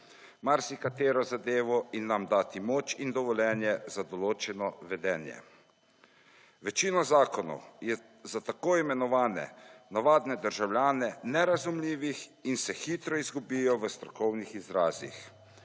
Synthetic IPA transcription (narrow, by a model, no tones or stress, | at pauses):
maɾsikat̪eːɾɔzad̪eːʋɔinːamd̪aːt̪imoːt͡ʃind̪ɔʋɔljɛːnjɛzad̪ɔloːt͡ʃɛnɔʋɛd̪ɛːnjɛ̰ | ʋɛt͡ʃiːnɔzaːkɔnɔ̰wjɛ | zat̪akoːimɛnɔʋaːnɛ̰naʋaːd̪nɛd̪əɾʒawlʲjaːnɛnɛɾazumliːʋixinsɛxiːt̪ɾɔizɡubijɔʋəst̪ɾɔkɔwnixizɾaːzḭx